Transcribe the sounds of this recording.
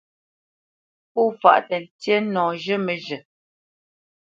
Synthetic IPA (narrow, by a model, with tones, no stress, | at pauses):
pu˦˨fa̰˨ʔtɛ˨n̩˨tje˦nɔ̃ː˨ʒə˦mə˨ʒə˨